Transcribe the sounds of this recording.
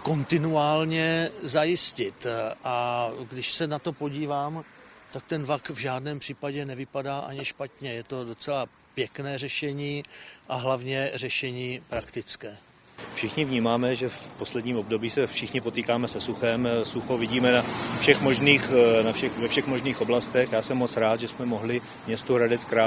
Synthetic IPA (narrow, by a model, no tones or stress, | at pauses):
ko̞nt̪ɪnuaːlɲɛzajɪscɪt̪ʔaɡdɪʃsɛnat̪o̞po̞ɟiːvaːm | t̪ak̚t̪ɛnvakvʒaːdnɛːmpr̝̥iːpaɟɛnɛvɪpadaːʔa̰ɲɪʃpat̪ɲɛjɛt̪o̞do̞t͡sɛla | pjɛknɛːrɛʃɛɲiːʔaɦlavɲɛrɛʃɛɲiːpɾakt̪ɪt͡skɛː | fʃɪxɲɪvɲiːmaːmɛʒɛfpo̞slɛdɲiːmo̞bdo̞biːsɛfʃɪxɲɪpot̪iːkaːmɛsɛsuxɛmsuxovɪɟiːmɛnafʃɛxmoʒniːxnafʃɛxvɛfʃɛxmoʒniːxʔoblast̪ɛxjaːsɛmːot͡sɾaːt̪ʒɛsmɛmoɦlɪ | mɲɛst̪uɾadɛt͡skɾa